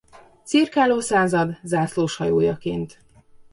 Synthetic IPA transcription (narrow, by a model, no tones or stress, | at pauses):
t̪sirkaːloːsaːzɒd̪zaːsloːʃhɒjoːjɒkeːnt̪